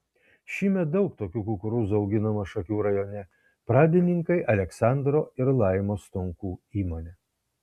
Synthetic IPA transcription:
ʃʲiːmʲɛt̪̚d̪ɒʊk̚t̪oːkʲuːkuːkʊɾuːzɐʊɡʲɪnɐmɐʃɐkʲuːɾɐjoːnʲɛ | pɾɑːd̪ʲɪnʲɪŋkɐɪʔɐlʲɛksɑˑnd̪ɾoːɪɾlˠɑˑɪmoːst̪ʊŋkuːiːmoːnʲɛ

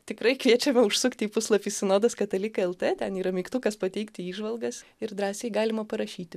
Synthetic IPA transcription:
t̪ʲɪkɾɐɪkʋʲiɛt͡ʃʲɛmʲɛʊʃsʊkt̪ʲɪiːpʊslˠɐpʲiːssʲɪnoːd̪ɐskɐt̪ɐlʲɪkɐɛlˠt̪eːt̪ʲɛniːɾɐmʲɛɪkt̪ʊkɐspɐt̪ʲɛɪkt̪ʲɪiːʒʋɐlˠɡɐsɪɾd̪ɾɑːsʲeːɡɑːlʲɪmɐpɐɾɐʃʲiːtt̪ʲɪ

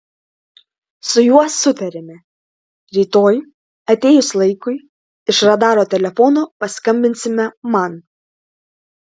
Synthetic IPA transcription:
sʊjuɔsːʊt̪ɐɾʲɛmʲɛ | ɾʲiːt̪oːj | ɐt̪ʲeːjʊslˠɐɪkʊɪ | ɪʃɾɐd̪ɑːɾoːt̪ʲɛlʲɛfɔnoːpɐskɐmʲbʲɪnʲsʲɪmʲɛmɐn

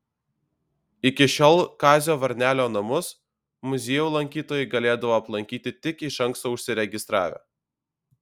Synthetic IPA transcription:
ɪkʲɪʃʲoːlˠkɑːzʲoːʋɐɾʲnʲæːlʲoːnɐmʊs | mʊzʲeːjuːlˠɐŋʲkʲiːt̪oːjɛɪɡɐlʲeːd̪ɐʋoːɐplˠɐŋʲkʲiːt̪ʲɪt̪ʲɪkɪʃɐŋˑkst̪oːʊʃʲsʲɪɾʲɛɡʲɪst̪ɾɑ̰ːʋʲɛ̰

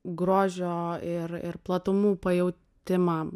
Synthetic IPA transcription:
ɡɾoːʒʲoːɪɾɪ̰rplˠɐt̪ʊmuːpɐjɛʊt̪ʲɪmɐ

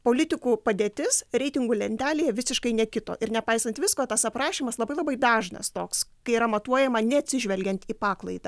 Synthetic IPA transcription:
poːlʲɪt̪ʲɪkuːpɐd̪ʲeːt̪ʲɪsɾʲɛɪt̪ʲɪŋɡuːlʲɛnʲt̪ʲæːlʲeːjɛʋʲɪsʲɪʃkɐɪnʲɛkʲɪt̪o̰ːʔɪɾnʲɛpɐɪsɐnt̪ʋʲɪskoːt̪ɐsɐpɾɑːʃʲiːmɐslˠɐbɐɪlˠɐbɐɪd̪ɑːʒnɐ̰st̪oːkskɐɪiɾɐmɐt̪uɔjɛmɐnʲɛɐt̪ʲsʲɪʒʲʋʲɛlʲɡʲɛnt̪iːpɑːklˠɐɪd̪ɐ

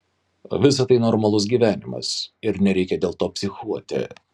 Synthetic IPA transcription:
ʋʲɪs̬ɐt̪ɐɪnɔɾmɐlˠʊs̬ɡʲiːʋʲæːnʲɪmɐ̰sɪɾnʲɛɾʲɛɪkʲɛd̪ʲeːlˠt̪oːpʲsʲɪxuɔt̪ʲɪ̰

